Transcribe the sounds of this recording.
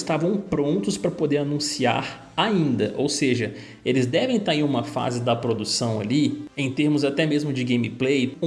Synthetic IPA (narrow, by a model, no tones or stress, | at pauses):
st̪avɐ̃w̃pɾõnt̪ʊspɾɐpod̪eɾanũsia̰ɾ | aĩnd̪ɐʔowseʒɐ | elɪzd̪ɛvẽj̃t̪aɾẽj̃ũmɐfa̰zɪd̪ɐpɾod̪usɐ̃w̃a̰liẽj̃t̪eɾmʊzat̪ɛmezmʊd͡ʒɪɡẽj̃miplej̃